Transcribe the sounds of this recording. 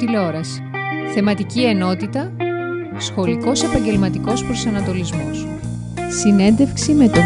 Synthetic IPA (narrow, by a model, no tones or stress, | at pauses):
t̪ileoɾɐsi̥θe̞mɐt̪icie̞no̞t̪it̪ɐ | sxo̞liko̞se̞pɐɲɟe̞lmɐt̪iko̞spɾosɐnɐt̪o̞lizmos | sine̞nd̪e̞fksime̞t̪o